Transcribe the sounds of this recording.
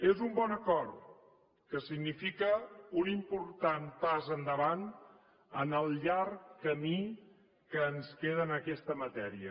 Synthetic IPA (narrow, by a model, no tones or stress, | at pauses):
ezumbɔnəkɔɾ | kəsiɡnifikəunimpuɾt̪anpazənd̪əβan | ənəlˠʎarkːəmi | kəːnskeð̞əːnəkɛst̪əmət̪ɛɾiə